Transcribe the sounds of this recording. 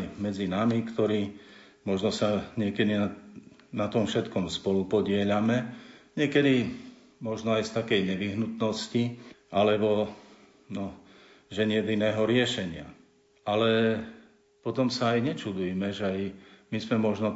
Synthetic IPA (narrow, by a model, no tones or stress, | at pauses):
mɛd͡zinamikt̪ɔɾiː | mɔʒnɔsaɲɪɛkɛd̪ina | nat̪ɔmfʃɛt̪kɔmspɔlupɔɟɪɛʎamɛɲɪɛkɛd̪i | mɔʒnɔajst̪akɛjɲɛʋiɦnut̪nɔsciʔalɛbɔ | nɔ | ʒɛɲɪɛd̪inɛːɦɔɾɪɛʃɛɲɪa | alɛ | pɔt̪ɔmsaːjɲɛt͡ʃud̪ujmɛʒɛajmizmɛmɔʒnɔ